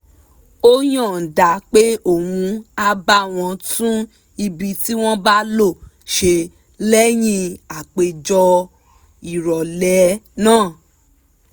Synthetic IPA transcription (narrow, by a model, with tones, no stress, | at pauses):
o˦j̃ɔ̃˦˨n̩˨da˨˦k͡pe˦o˦˨wũ˧a˦ba˦w̃ɔ̃˧tũ˦ | i˧bi˧ti˦w̃ɔ̃˦ba˦lo˦˨ | ʃe˧ | lɛ˦j̃ĩ˧a˨k͡pe˧d͡ʒɔ˧ | i˨ɾɔ˨lɛ˨˦nãː˦˨